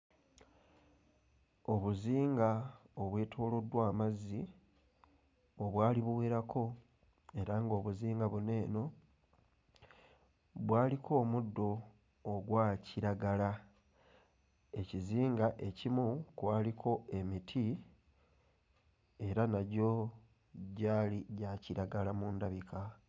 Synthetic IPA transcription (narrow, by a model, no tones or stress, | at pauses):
o̞βuziːŋɡao̞βwe̞ːtʰoːlo̞dwaːmazːi | oβwaːliβuweːɾakʰo̞ | e̞ɾaŋɡo̞ːβuziːŋɡaβune̞ːno̞ | βwaːlikʰo̞ːmudːo̞ː | ɡwaːciɾaɡala | e̞ciziːŋɡaʔe̞cimukwaːlikʰo̞e̞mitʰi | e̞ɾanaɟo̞ | ɟaːliɟaciɾaɡalamuːndaβikʰa